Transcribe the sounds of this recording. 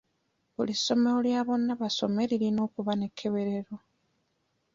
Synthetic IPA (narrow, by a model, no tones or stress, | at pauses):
βuliso̞meuljaːβo̞nːaβaso̞̰me̞liɾino̞ːkuβane̞kʰːe̞βe̞ɾe̞ɾo̞